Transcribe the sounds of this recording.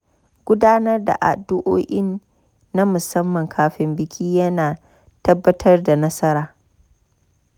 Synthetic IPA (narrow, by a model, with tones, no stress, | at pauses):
ɡ̥ʷʊ˦daː˦nɐ˦rda̰˨ʔa̰˨dʊ˦ʔoː˦ʔʲɪ˦nː | a˦mʊ˨sɐ˦mːɐ˨ŋkʰaː˨ɸɪ˦mbɪ˨kʲʰiː˦jɐ˦naː˨ | tɐ˦bːɐ˦tʰɐ˦rda˨nɐ˦sɐ˦ɾaː˨